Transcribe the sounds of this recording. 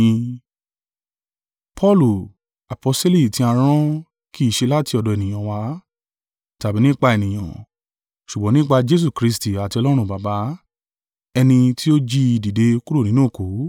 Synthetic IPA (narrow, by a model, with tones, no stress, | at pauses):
pʰɔ˦lu˨ | a˨pɔ˧˦se˦li˦˨tĩ˧˦a˧ɾ̃ɔ̃˦ | kʰi˦˨ʃe˧la˦ti˧ɔ˧dɔ˨ɛ˨nĩ˨j̃ã˨wa˧˦ | ta˨bi˨˦nĩ˦k͡pa˧e˨nĩ˨j̃ã̰˨ | ʃu˨ɡ͡bɔ̃˨˦nĩ˦k͡pa˧d͡ʒe˦s̬u˦˨kɾi˧s̬ti˨a˨ti˧ɔ˧lɔ˦ɾ̃ũ˦˨ba˨ba˨˦ | ɛ˧nĩ˧ti˦o˦d͡ʒi˦˧di˨de˧ku˦ɾo˦˨nĩ˦nũ˦˨ko˨˦